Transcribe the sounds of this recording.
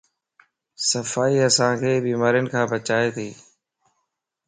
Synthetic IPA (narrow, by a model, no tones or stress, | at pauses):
səfaːiːəsãːkʰeːbiːmaːɾijənɪkʰãːbət͡ʃaːeːt̪ʰiː